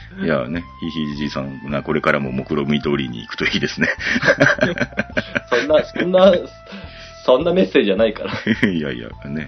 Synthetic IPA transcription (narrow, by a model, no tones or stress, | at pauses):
ja̰ne̞çiçiʑisãŋnako̞ɾe̞kaɾamo̞mo̞kɯ̟ɾo̞mɯ̟id̪o̞ːɾʲḭɲ̟ḭːkɯ̥t̪oiid̪e̞sɨne̞ | sõnːasoõnːa | sõ̞nːame̞sːe̞ːd͡ʑid͡ʑanaikaɾaja̰j̰a̰ne̞